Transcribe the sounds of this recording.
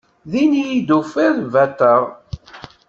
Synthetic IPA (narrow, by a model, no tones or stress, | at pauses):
ðinjid̪ufiðvæt̪ːəʁ